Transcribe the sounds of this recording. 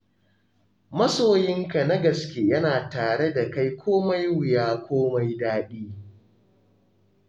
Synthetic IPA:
mɐ˦soː˨jɪ˦ŋka˨na˦ɡɐ˨skʲeː˦jɐ˦naː˨taː˨ɽe˦da˨ka˦jkʷʰoː˦ma˦jwɪ˨jaː˦kʷoː˦ma˦jdaː˦ɗiː˦

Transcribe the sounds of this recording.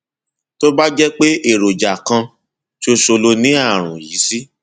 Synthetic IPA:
to˦ba˦d͡ʒɛ˦k͡pe˦ʔe˦˨ɾo˨d͡ʒa˨kã˧ | ʃo˧ʃo˧lo˧nĩ˨˦a˦˨ɾ̃ṵ̃˨ji˨˦si˦

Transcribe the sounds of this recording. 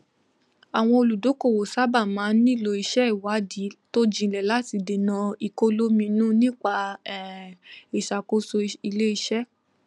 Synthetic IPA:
a˨w̃ɔ̃˧o˧lu˨do˨˦ko˦˨wo˨sa˦ba˦˨mãː˨˦nĩ˦˨lo˧i˧ʃɛ˦i˨wa˨˦di˨˦to˦d͡ʒĩ˧˨lɛ˨la˨˦ti˧de˨nã˧i˨ko˦lo˦mĩ˧nũ˦nĩ˦k͡pa˧ɛ˦˨e˨ʃa˨ko˦so˧i˧le˦i˧ʃɛ˦

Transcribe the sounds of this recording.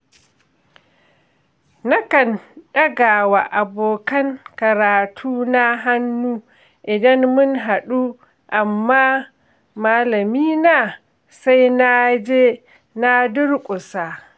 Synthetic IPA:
na˦kɐ˨nɗɐ˦ɡaː˨wa˨ʔa˨boː˨kɐ˦ŋkɐ˨ɾaː˨tʰuː˦na˦ɦa˦nːuː˦ | ʔɪ˨dɐ˦nmʊ˦ŋɦa˨ɗuː˦ | ʔa˨mːa˦ | maː˦lɐ˨miː˦naː˨ | sa˦jna˦d͡ʒeː˦ | na˦dʊ˦ɽkʷʼʊ˨sa˨

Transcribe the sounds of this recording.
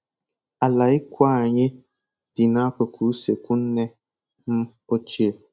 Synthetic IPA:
a˨la˨i˦kʷwa˦˨ɲe˦ | d̥i˨na˦kə˨kʰu˨˦se˨ku˦n̩˦nɛ˦ | m̩˦ | o˦t͡ʃe˦˨

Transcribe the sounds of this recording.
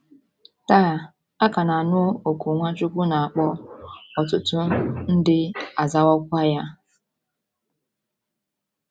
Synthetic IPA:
ta˦˨ | a˦ka˨na˨nʊ˦o˨ku˨ŋʷa˦t͡ʃʊ˦kʷʊ˦na˨a˨k͡pɔ˦ɔ˨tʊ˨tʊ˦n̩˦dɪ˦a˨za˦wɔ˦kʷa˦ja˦

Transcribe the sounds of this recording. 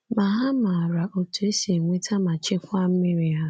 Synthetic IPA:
ma˨ɦa˦ma˨ɾa˨ʔo˨tu˨e˦se˨ŋʷe˦tʰa˦ma˨t͡ʃɪ˦kʷa˦m̩˦mi˦ɾi˨ɦa˦

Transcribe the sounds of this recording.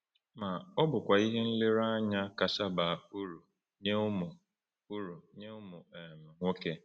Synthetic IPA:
ma˨ɔ˦bʊ˨kʷa˨i˦ɦe˦n̩˦le˦ɾa˦ɲa˦ka˨sa˦ba˨u˦ɾu˨ | ɲe˦ʊ˦mʊ˨ | u˦ɾu˨ɲe˦ʊ˦mʊ˨m˨ŋʷo˦ke˦

